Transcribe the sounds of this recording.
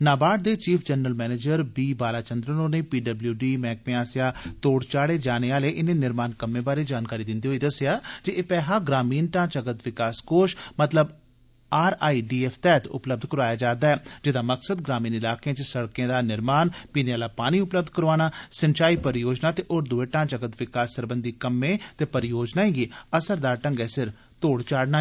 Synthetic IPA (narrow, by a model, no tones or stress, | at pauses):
naːbaːʈ̚d̪eːt͡ʃiːpʰd͡ʒənːəlmɛːneːd͡ʒəɾbiːbaːlaːt͡ʃənd̪ɾənõːneːpiːɖəbljuːɖiːmɛːk̚mɪaːsɪjaːt̪oːɽt͡ʃaːɽeːd͡ʒaːneːaːleːʔɪnẽːnɪɾmaːnkəmːẽːbaːɾeːd͡ʒaːnkaːɾiːd̪ɪnd̪iːɦoiːd̪əsjaːd͡ʒieːpɛːɦaːɡɾaːmiːnʈ̪ãːt͡ʃəɡət̪ʋɪkaːskoːʃmət̪ləb | aːɾaːiːɖiːɛːfʰt̪ɛːt̪ʊ̰pləb̚d̪ʱkəɾaːjaːd͡ʒaːd̪aːɛːd͡ʒɪd̪aːməksəd̪̚ɡɾaːmiːnɪlaːkejẽːt͡ʃsəɽkẽːd̪aːnɪɾmaːnpiːneːaːlaːpaːniːʊpləbd̪̚ʱkəɾoaːnaːsənt͡ʃaːiːpəɾjoːd͡ʒnaːt̪eːʔoɾd̪ʊeːʈãːt͡ʃəkət̪ʋɪkaːsːəɾbənd̪iːkəmːẽːt̪eːpəɾɪjoːd͡ʒnaːẽːɡiːəsəɾd̪aːɾʈəŋɡɛːsɪɾ | t̪oːɽt͡ʃaːɽnaː